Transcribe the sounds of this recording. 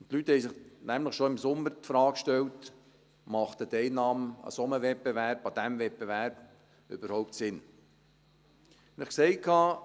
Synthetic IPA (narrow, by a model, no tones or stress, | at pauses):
ntlyt̪hɛjsɪχnæmləχʃoɪmsʊmːəɾtfɾɑːkʃtɛlt | mɑχt̪ətɛɪnɑːmɑ̰sɔməvɛpːevæɾbɑd̪æmvɛp̚ːevæɾb̥ | øb̥əɾhɔʊp̚tsɪn | nɪχkseɪkʰɑː